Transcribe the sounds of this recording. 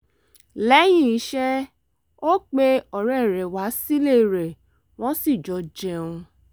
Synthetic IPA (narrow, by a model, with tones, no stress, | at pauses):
lɛ˨˦j̃ĩ˦i˨˦ʃɛ˦ | o˦k͡pe˦ɔ˨ɾɛ˨ɾɛ˨wa˨˦si˦le˦˨ɾe˨ | w̃ɔ̃˦si˦˨d͡ʒɔ˨˧d͡ʒɛ˧ũ˧